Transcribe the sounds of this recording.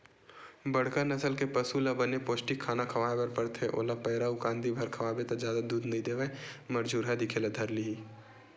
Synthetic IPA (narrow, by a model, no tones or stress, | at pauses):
bɐɽ̤kanɐsəlkepɐsulabɐnepoːsʈikʰaːnakʰɐʋaːebɐɾpɐɽt̪ʰeʔo̰ːlapɛːɾaʊkãːnd̪ibʱɐɾkʰɐʋaːbet̪ad͡ʒjaːd̪ad̪uːd̪nɐɦĩd̪eːʋɛmɐɾd͡ʒuːɾɦad̪ɪkʰelad̪ʱɐɾlii